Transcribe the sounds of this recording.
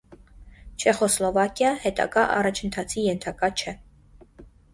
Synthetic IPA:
t͡ʃʰɛχɔslɔvɑkjɑhɛt̪ɑ̰ɡɑʔɑ̰rɑt͡ʃʰənt̪ʰɑt͡sʰijɛnt̪ʰɑkɑt͡ʃʰɛ

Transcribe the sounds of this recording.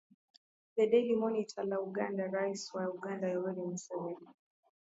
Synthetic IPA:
ɗɛdɛlimɔnitʰalauɡandaɾaiswauɡandajɔwɛlimusɛvɛdi

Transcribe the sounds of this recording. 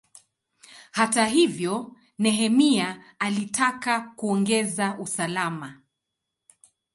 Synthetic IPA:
hataɦivjɔ | nɛɦɛmiaː | litʰakakuɔŋɡɛzaʔusalama

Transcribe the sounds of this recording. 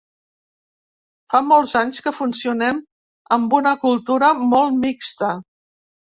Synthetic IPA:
famɔlˠzaɲskəfunsiunɛm | əmbunəkulˠt̪uɾəmɔlˠmikst̪ə

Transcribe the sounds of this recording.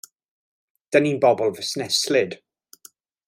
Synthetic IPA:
d̥əninbɔbɔlˠvəsnɛslɪd̥

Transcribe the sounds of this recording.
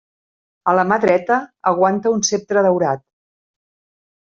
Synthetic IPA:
ələmaðɾɛt̪əəɣ̞want̪əunsep̚t̪ɾəðəwɾat̪̚

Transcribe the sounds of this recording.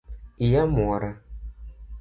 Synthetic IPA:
ijamuɔɾa

